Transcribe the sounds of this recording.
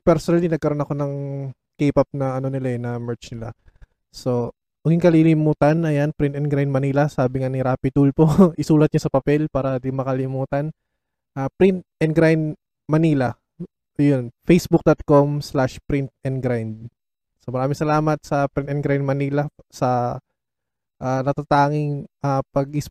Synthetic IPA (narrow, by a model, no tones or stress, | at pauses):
pɛɾsonɐlinɐɡ̚kɐɾo̞nɐko̞nɐŋ | kɛːpɐp̚nɐɐno̞nɪlaɛnɐmɛɹt͡ʃnɪla̰ | so̞ | wɐɡɪŋkɐlilɪmuːt̪ɐnɐjanpɾint̪ɛnɡɾaj̪d̪̚mɐniːlɐsaːbɪŋanɪɾaːpɪt̪ulpoʔɪsuːlɐt̪̚ɲasɐpɐpɛlpaːɾɐd̪ɪŋmːɐkɐlɪmuːt̪ɐn | ʔaːpɾint̪̚ | ɛnɡɾajnd̪ | mɐniːlɐ | jonfejsbʊk̚d̪ot̪̚komslaʃpɾint̪̚ɛnɡɾajnd̪̚ | somɐɾaːmɪŋsɐlaːmɐt̪̚sɐpɾɪnt̪ɛnɡɾajnd̪̚mɐniːlɐsɐ | ʔaːnɐt̪at̪aːŋɪŋʔapɐɡɪs